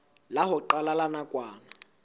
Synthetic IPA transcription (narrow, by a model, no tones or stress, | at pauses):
lahʊǃalalanakʼwaːna